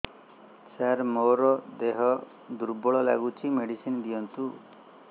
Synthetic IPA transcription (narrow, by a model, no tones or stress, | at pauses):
t͡ʃaɾmoɾɔd̪eɦɔ | d̪uɾbɔɭɔla̰ɡut͡ʃʰimeɽisind̪ijɔnt̪u